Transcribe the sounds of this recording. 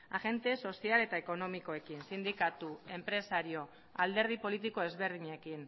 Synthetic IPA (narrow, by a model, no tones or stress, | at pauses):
aɣe̞nt̪e̞so̞siale̞t̪aeko̞no̞miko̞e̞kinsind̪ikat̪ue̞mpɾe̞saɾio̞ | ald̪e̞ɾð̞ipo̞lit̪̬iko̞e̞zβe̞ɾð̞iɲekin